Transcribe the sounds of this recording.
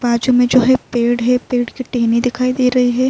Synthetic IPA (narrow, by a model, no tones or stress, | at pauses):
baːd͡ʒomẽd͡ʒoːɦɛpeːɽɦɛpeːɽkiʈeːnid̪ɪkʰaːid̪eːɾɐɦiɦɛː